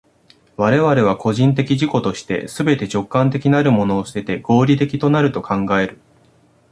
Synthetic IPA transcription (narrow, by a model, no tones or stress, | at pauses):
βaɾe̞βaɾe̞βako̞ʑĩnt̪̬e̞kʲiʑiko̞t̪o̞ɕi̥t̪e̞̰sɨbe̞t̪e̞t͡ɕo̞kːãnt̪̬e̞kʲinaɾɯ̟mo̞no̞ːsɨ̥t̪e̞t̪e̞ɡ̥o̞ːɾʲit̪e̞kʲi̥t̪o̞naɾɯ̟t̪o̞kãŋɡae̞ɾɯ̟